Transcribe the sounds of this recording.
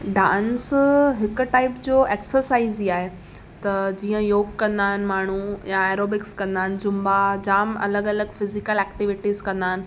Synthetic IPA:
ɖãːnsɦɪkʊ̆ʈaːɪpd͡ʑoːʔeːksəɾsaːiziaːɦe | t̪ɐd͡ʑiːə̃joːɡ̚kɐ̃nd̪aːɦɪnɪ̆maːɳ̤ujaeːɾoːbɪkskɐ̃nd̪aːɪn̆d͡ʑʊmbad͡ʑaːmɐ̰ləɡɐləɡfɪzɪkəlɛːkʈɪʋɪʈiːzkɐ̃nd̪aːɦɪnɪ̆

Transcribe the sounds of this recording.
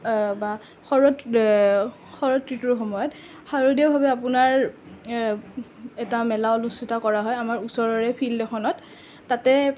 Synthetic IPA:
ba | xɔɹɔt | xɔɹɔtːɹituɹxɔmɔjɔt | xaɹodiɔbʱabɛapʊnaɹ | ɛtamɛlaɔlusitakɔɹaɦɔjamaɹusɔɹɔɹɛpʰildɛxʰɔnɔtː | atɛ

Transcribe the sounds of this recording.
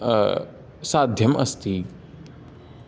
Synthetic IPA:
saːd̪ʱjɐmʔɐ̰st̪i

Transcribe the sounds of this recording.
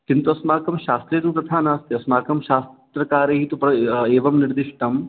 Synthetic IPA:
kɪnt̪uɐsmaːkɐmʃaːst̪ɾejt̪ũt̪ɐt̪ʰaːnaːst̪eɐsmaːkɐmʃaːst̪ɾɐkaːɾeɦit̪upɾɐeːʋɐmnɪɾd̪ɪʃʈɐm

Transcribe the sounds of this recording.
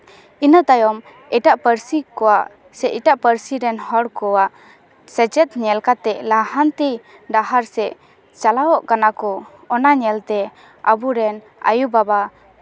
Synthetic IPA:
inət̪ajɔm | ɛʈaʔpəɾsikɔwaʔ | sɛʔiʈaʔpəɾsiɾɛnhɔɽkɔwaʔ | sɛd͡ʒɛt̪ɲɛlkat̪ɛʔlahant̪i | ɖaɦaɾsɛʔ | t͡ʃalawɔʔkanakɔ | ɔnaɲɛlt̪ɛ | abuɾɛn | a̰jubaba

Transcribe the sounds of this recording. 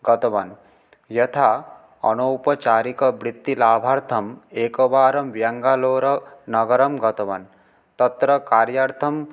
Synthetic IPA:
ɡʌt̪ɐʋɐn | jɐt̪ʰa | ʌ̰nowpɐt͡ʃaːɾikɐbɾit̪ːilaːbʱaɾt̪ʰɐmeːkɐʋaːɾɐmʋjaŋɡaloːɾɐnɐɡɐɾɐmɡɐt̪ɐʋɐ̰n | t̪ɐt̪ɾʌkaːɾjaɾt̪ʰɐm

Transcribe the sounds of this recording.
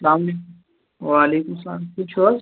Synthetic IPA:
sɐlaːmɐleːkʊm | ʋaːleːkʊmsɐla̰ːmkʊt͡ʃʰɐ

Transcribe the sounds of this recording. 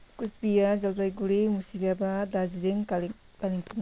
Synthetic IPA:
kusbijazalbajɡuɾimusiɾabadaziɾeŋ | kaliŋpuŋ

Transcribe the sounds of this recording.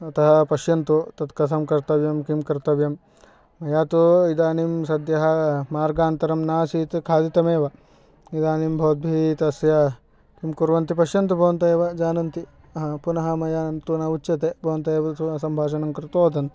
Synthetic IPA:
ɐt̪ɐɦɐpɐʃjɐnt̪ut̪ɐt̪kɐt̪̬ʰɐmkɐɾt̪ɐʋjɐmkimkɐɾt̪ɐʋjɐmː | ɐjaːt̪uid̪aːnimsɐd̪jɐɦɐ̆maːɾɡaːnt̪ɐɾɐmnaːsiːt̪kʰaːd̪it̪ɐmeːʋɐ | id̪aːnimbʱɐʋɐd̪̚bʱit̪ɐsjɐ | kimkuɾʋɐnt̪ipɐʃjɐnt̪ubʱɐʋɐnt̪ɐeːʋɐd͡ʒaːnɐnt̪i | punɐɦɐmɐjaːnt̪unɐut͡ʃːɐt̪eːbʱɐʋɐnt̪ɐeːʋɐt̪uɐsɐmbʱaːʃɐnɐmkɾɪt̪oːd̪ɐnt̪

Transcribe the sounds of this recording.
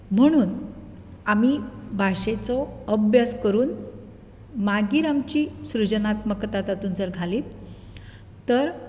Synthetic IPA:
m̤əɽ̃uːn | amibʱaɕet͡sɔəbjaskəɾuːn | maɡiːɾamt͡ɕiːsɾud͡ʑənat̪məkt̪at̪at̪uːnt͡səɾɡʱaliːt̪ | t̪ːəɾ

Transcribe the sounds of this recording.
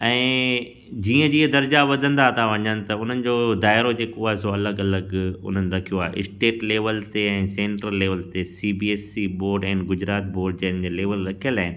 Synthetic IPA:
ɛ̃ː | d͡ʑiːə̃d͡ʑiːə̃d̪ɐɾd͡ʑaʋɐd̪ʱə̃nd̪at̪ʰaʋɐɲənɪ̆t̪ɐʊn̤ənɪ̆d͡ʑoːd̪aːɪɾod͡ʑeːkoaːɦesoɐləɡɐləɡʊ̰n̤ənɪ̆ɾɐkʰijoaːɦḛɪsʈeːʈleːʋəlt̪eɛ̃ːsẽːɳʈɾəlːeːʋəlt̪esibieːsiboːɾɖɛ̃ːnɡʊd͡ʑɾaːt̪boːɾɖ̚d͡ʑɐ̃ɦɪnd͡ʑeːleːʋəlɾɐkʰijəlaːɦɪnɪ̆

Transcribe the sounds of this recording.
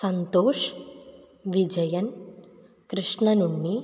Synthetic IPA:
sɐnt̪oːʂ | ʋid͡ʒɐjɐn | kɾɨʂɳɐnuɳːi

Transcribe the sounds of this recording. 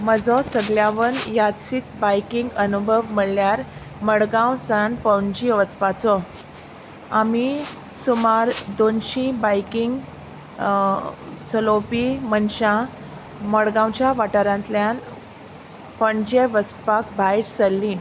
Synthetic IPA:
məd͡zɔsəɡljaʋənjat̪sit̪bajkiŋɡənubʱəʋməɭljaɾ | məɽɡãwsanpəɳd͡ʑiʋət͡spat͡sɔ | ami | sumaɾd̪onɕĩbajkiŋɡ | t͡səlopimənɕã | məɽɡãwt͡ɕjaʋaʈəɾãnt̪ljan | pəɳd͡ʑeʋət͡spak̚bʱajʈsəlːĩ

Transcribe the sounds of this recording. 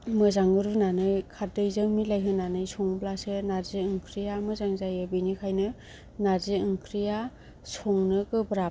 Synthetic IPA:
mɯzaŋɡɯɾunanɯjkʰadɯjzɯŋmilajɦɯnanɯjsɔŋblasɯnazɯɯŋkʰɾijamɯzaŋzajɯbɯnikʰajnɯ | nazɯɯŋkʰɾija | sɔŋnɯkɯbɾa

